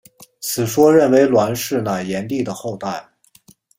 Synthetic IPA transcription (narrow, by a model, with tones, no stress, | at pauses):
t͡sʰɹ̩˨˩ʂwɔ˥ɻə˥˩nwe˧˥ɪlwa˧˥nʂɻ̩˥˩na˨˩jɛ˧˥nt̪i˥˩d̪ə˩xo˥˧ʊt̪a˥˩ɪ